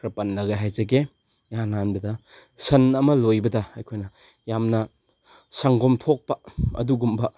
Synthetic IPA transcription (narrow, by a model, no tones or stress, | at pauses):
kʰɾɐpɐnlɐɡeɦajzɐɡe | jananbɐdɐ | sɐnɐmɐlojbɐdɐɐjkʰojnɐ | jamnɐ | saŋɡomtʰok̚pɐɐ̰duɡumbɐ